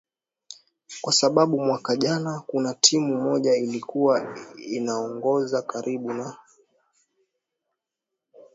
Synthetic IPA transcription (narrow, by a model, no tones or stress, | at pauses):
kwasaɓaɓumwakaʄanakunatʰimumɔʄailikuwainaɔŋɡɔzakaɾiɓuna